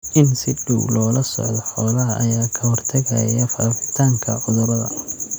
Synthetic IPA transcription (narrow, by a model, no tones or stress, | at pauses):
ʔɪnsɪɖuwlɔːlɐsɔ̰ʕðɔħɔːlɐɦɐʔɐjaːkʰɐhɔrt̪ʰɐɣɐ̰jɐfaːfɪt̪ʰaːŋkʰɐ̰ʕʊðʊɾɐðɐ̰